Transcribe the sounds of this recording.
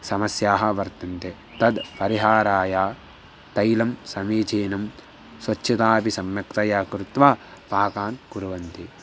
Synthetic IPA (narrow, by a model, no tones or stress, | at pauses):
sɐmɐsjaːɦɐ̆ʋɐɾt̪ɐnt̪e | t̪ɐd̪pɐɾiɦaːɾaːjaː | t̪ɐjlɐmsɐmiːt͡ʃeːnɐm | sʋɐt͡ʃːʃʰɐt̪aːpisɐmjɐkt̪ɐjaːkɾut̪ʋaːpaːkaːnkuɾuʋɐnt̪i